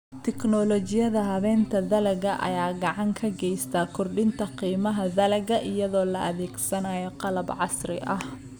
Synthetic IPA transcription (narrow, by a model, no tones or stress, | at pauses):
t̪ʰɛknɔːlɔt͡ʃɪjɐðɐɦɐβɛːnt̪ʰɐðɐlɐɣɐʔɐ̰jaːɡɑʕɑŋkʰɐɡɛjst̪ʰaːkʰɔrɖɪnt̪ʰɐqiːmɐɦɐðɐlɐɣɐʔɪjɐðɔːlɐʔɐðɛːɡsɐnaːjɔqɑlɐbʕɑsrɪʔɐh